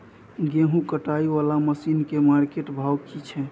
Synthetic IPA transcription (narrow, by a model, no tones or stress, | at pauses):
ɡeɦũkəʈaiʋalaməsinkemaɾkeʈbʱawkit͡ʃʰɛ